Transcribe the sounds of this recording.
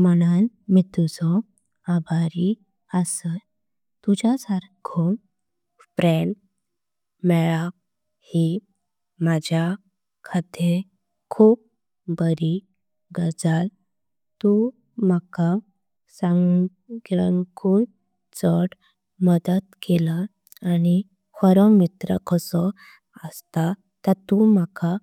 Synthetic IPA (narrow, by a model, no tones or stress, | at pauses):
mənan | mit̪ud͡zɔ | abaɾi | asə | t̪ud͡ʑasaɾɡʰom | pɾɛɳ | mɛɭa | hi | mad͡ʑʱja | kʰad̪ʱe | kʰuːp̚ | bəɾi | ɡəd͡zal | t̪u | m̤aka | sãŋ | ɡɭəŋkuːn | t͡səɽ | məd̪ət̪kelaː | ni | həɾəmit̪ɾə̰kʰəsɔ | əst̪a | t̪ət̪umaka